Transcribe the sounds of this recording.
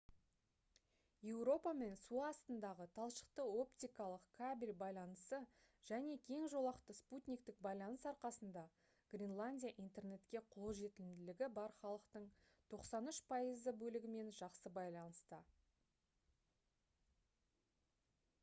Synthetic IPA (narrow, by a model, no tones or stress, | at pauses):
je̞wɾo̞pɑme̞nsuɑːst̪ənd̪ɑʁət̪ʰɑlˠʃə̥qt̪əo̞pt̪ʲijkɑlˠəqkʰabʲelʲbɑjlˠɑnəsəʒ̥æne̞kʲʰe̞ŋʒo̞lˠɑqt̪əsput̪ʲnʲik̚t̪ɪk̚bɑjlˠɑnəsɑɾqɑsənd̪ɑ | ɡ̥rʲinlˠanʲdʲijaʔijnt̪e̞rne̞t̪kʲe̞qʰo̞lˠʒe̞t̪ɪlɪmd̪ɪlɪɡʲɪbɑɾχɑlˠəqt̪əɴ | t̪ʰo̞qsɑnʏʃpʰɑjəzəbɵlɪɡʲɪme̞nʒɑqsəbɑjlˠɑnəst̪ə